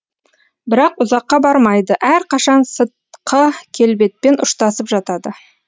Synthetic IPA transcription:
bɪɾɑqʊzɑqːɑbɑɾmɑjd̪əʔæɾqʰɑʃɑnsət̪̚qʰəkʲʰe̞lbe̞t̪̚pe̞nʔʊʃt̪ɑsəpʒɑt̪ɑd̪ə

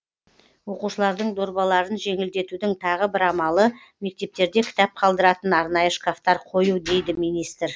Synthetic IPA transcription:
wo̞quʃəlˠɑɾd̪əɴd̪o̞ɾbɑlˠɑɾənʒe̞ŋɪld̪e̞t̪ud̪ɪŋt̪ʰɑʁəbɪɾɑmɑlˠə | me̞k̚t̪e̞p̚t̪e̞ɾd̪e̞kʲʰɪ̥t̪ɑp̚qʰɑlˠd̪əɾɑt̪ənɑɾnɑjəʃkaft̪ɑɾqʰo̞jud̪e̞jd̪ɪmijnijst̪ɪɾ

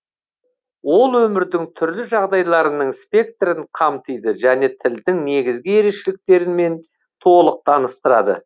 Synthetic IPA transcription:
wo̞lˠwɵmɪɾd̪ɪŋt̪ʰʏɾlɪʒɑʁd̪ɑjlˠɑɾənəɴspʲe̞k̚t̪ɾɪɴqʰɑmt̪əjd̪əʒæne̞t̪ʰɪld̪ɪŋne̞ɡʲɪzɡʲɪe̞ɾe̞ʃelɪk̚t̪e̞ɾɪnme̞n | t̪ʰo̞lˠəq̚t̪ʰɑnəst̪əɾɑd̪ə̰

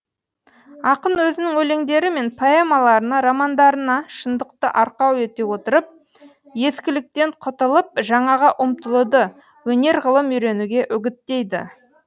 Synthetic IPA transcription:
ɑqənwɵzɪnɪŋwɵle̞ŋd̪e̞ɾɪme̞npʰoe̞mɑlˠɑɾənɑɾɑmɑnd̪ɑɾənɑʃənd̪əq̚t̪ə̰ʔɑɾqɑwet̪e̞wo̞t̪əɾəp̚ | je̞skʲɪlɪk̚t̪e̞ɴqʰʊt̪əlˠəp̚ʒɑɴɑʁɑʔʊmt̪əlˠəd̪ə | wɵne̞ɾʁəlˠəmijɾe̞nuɡʲe̞ʔʏɡʲɪt̪ːe̞jd̪ɪ̰

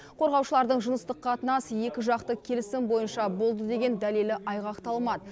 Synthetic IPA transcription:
qʰo̞ɾʁɑwʃəlˠɑɾd̪əɴʒʊnəst̪əqʰːɑt̪ənɑsəje̞kʲɪʒɑqt̪əkʲʰe̞lɪsɪmbo̞jənʃɑbo̞lˠd̪əd̪e̞ɡʲe̞nd̪æle̞lɪʔɑjʁɑqt̪ɑlˠmɑd̪ə

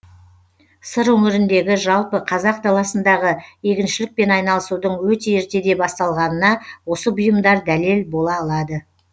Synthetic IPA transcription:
səɾwɵŋɪɾɪnd̪e̞ɡʲɪʒɑlˠpəqʰɑzɑqt̪ʰɑlˠɑsənd̪ɑʁəje̞kʲɪnʃɪlɪk̚pe̞nɑjnɑlˠəsud̪əɴwɵt̪e̞eɾt̪e̞d̪e̞bɑst̪ɑlˠʁɑnənɑwo̞səbʊjəmd̪ɑɾd̪æle̞lbo̞lˠɑːlˠɑd̪ə

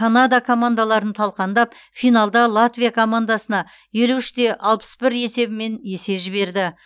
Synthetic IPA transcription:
kʰanad̪akʰo̞mand̪alˠɑɾənt̪ʰɑlˠqɑnd̪ɑp | fijnalˠd̪ɑlˠat̪vijakʰo̞mand̪asənɑ | je̞luɪʃt̪e̞ʔɑlˠpə̥sbɪɾe̞se̞bɪme̞nje̞se̞ʒɪβe̞ɾd̪ɪ

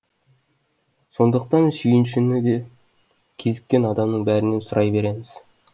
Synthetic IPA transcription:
so̞nd̪əq̚t̪ɑnsʏjɪnʃ̬ɪnɪd̪e | kʲʰe̞zɪkʲːe̞nɑd̪ɑmnəɴbæɾɪne̞nsʊɾʔɑjbe̞ɾe̞mɪz̥

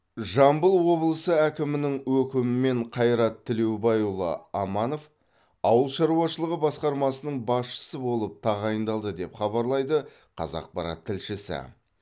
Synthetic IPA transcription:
ʒɑmbəlˠwo̞blˠəsəækʲɪmɪnɪŋwɵkʲɪmɪme̞ɴqʰɑjɾɑt̪ʰːɪle̞wbɑjulˠə̰ɑmɑno̞f | ɑwəlˠʃɑɾuwɑʃəlˠəʁəbɑsqɑɾmɑsənəɴbɑsʃə̥səbo̞lˠəp̚t̪ʰɑʁɑjənd̪ɑlˠd̪əd̪e̞pχɑβɑɾlˠɑjd̪ə | qʰɑ̰zɑ̰q̚pɑɾɑ̰t̪ʰːɪlʃɪsɪ̰

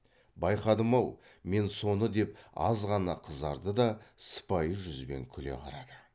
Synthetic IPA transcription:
bɑjqɑd̪əmɑwme̞nso̞nəd̪e̞p̚ɑ̰zʁɑnɑqʰəzd̪ɑɾd̪əd̪ɑsə̥pɑjəʒʏzbe̞̰ŋkʲʰʏle̞̰qʰɑɾɑd̪ə

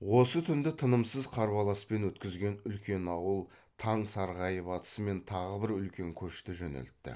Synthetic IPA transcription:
wo̞sət̪ʰʏnd̪ɪt̪ʰənəmsəzqʰɑɾbɑlˠɑspe̞nwɵt̪kʲɪzɡʲe̞nʏlkʲe̞nɑwəlˠ | t̪ʰɑɴsɑɾʁɑjəpɑt̪ə̥səme̞nt̪ʰɑʁəbɪɾʏlkʲe̞ŋkʲʰɵʃt̪ɪʒɵnḛlt̪ːɪ̰

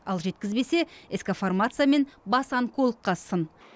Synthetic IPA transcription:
ɑlˠʒe̞t̪̚kʲɪzbe̞se̞eskaformat̪sɨjame̞nbɑsɑŋkʰolˠəqːɑsən

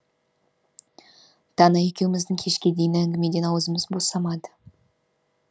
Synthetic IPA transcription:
d̪̥ʰɑnɑje̞kʲe̞wɪmɪzd̪ɪŋkʲʰe̞ʃkʲe̞d̪e̞jɪnɪæŋɡʲɪme̞d̪e̞nɑwəzəməzbo̞sɑmɑd̪ə̥

